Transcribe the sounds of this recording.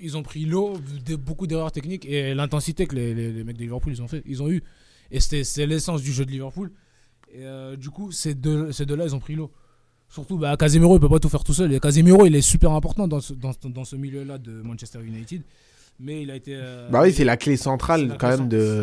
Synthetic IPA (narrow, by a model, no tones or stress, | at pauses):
ilzɔ̃pχilod̪bokud̪eʁœʁt̪ɛknikelɛ̃t̪ɑ̃sit̪ekəlelelemɛk̚d̪əlivɛʁpulizɔ̃fɛʔilzɔ̃y | est̪ɛsɛlesɑ̃s̬d̪yʒød̪əlivɛʁpul | eød̪ykusɛd̪əsɛd̪əlailzɔ̃pχilo | syʁt̪ubakazimeʁoipəpat̪ufɛʁt̪usœlekazimeʁoilɛsypɛʁɛ̃pɔʁt̪ɑ̃d̪ɑ̃səd̪ɑ̃d̪ɑ̃səmiljølad̪əmɑ̃nʃɛst̪ɛʁjunajt̪id̪ | mɛilaet̪eøbawifɛlaklesɑ̃t̪χalkɑ̃mɛmd̪ə